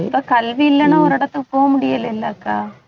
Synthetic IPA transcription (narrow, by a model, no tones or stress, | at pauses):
pːaːkɐlʋiɪlːɐnɐɔɾɪɽɐt̪ːɯpoːɐmʊɽɪjɐlːɐɪlːɐːkːaː